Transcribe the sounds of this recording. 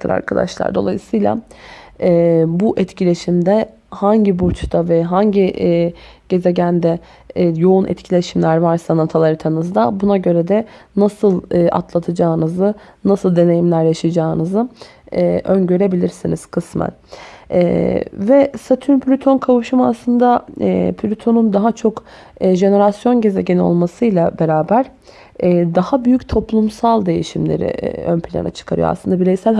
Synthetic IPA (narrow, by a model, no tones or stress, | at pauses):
t̪ɯɾa̰ɾkʰad̪a̰ʃlˠa̰ɾd̪o̞̰lˠa̰jɯsɯjlʲˠa̰ | ɛbuʔɛt̪cʰilʲe̞ʃimd̪ɛ | haɲɟibuɾt͡ʃʰd̪avɛɦaɲɟi | ɟ̥e̞ze̞ɟænd̪ɛ | jo̞unʔɛ̰t̪cʰilʲe̞ʃimlʲæɾvaɾsanat̪ʰalˠaɾɯt̪ʰanɯzd̪abunaɟø̞ɾɛd̪ɛnasɯlˠɯa̰t̪lˠat̪ʰɯd͡ʒaːɯnɯzɯ | nasɯlˠd̪e̞ne̞jimlʲæɾjaʃad͡ʒaːɯnɯzɯ | ʔønɟø̞ɾe̞bilʲiɾsiniz̥kʰɯsmæ̰nɛvɛsat̪ʰynpʰlʲyt̪ʰo̞nkʰavuʃɯmaslˠɯnd̪apʰlʲyt̪ʰo̞nund̪aɦat͡ʃʰo̞kːʒe̞ne̞ɾasjo̞nɟe̞ze̞ɟenio̰lˠmasɯjlˠabe̞ɾaːbæɾ̥ | ɛːd̪ahabyjyct̪ʰo̞plˠumsalˠd̪e̞jiʃimlʲḛɾḭønpʰilʲa̰na̰t͡ʃʰɯ̥kʰaɾɯ̰jo̰sɯnd̪abiɾejsælʲ